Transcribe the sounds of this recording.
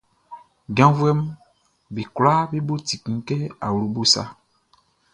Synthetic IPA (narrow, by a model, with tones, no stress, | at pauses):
ɡã˦vu˦ɛ˦m˦ | bi˨kla˦be˦bo˦ti˨kĩ˨˦kɛ˦a̰˨wɾu˨˦bo˦sa̰˦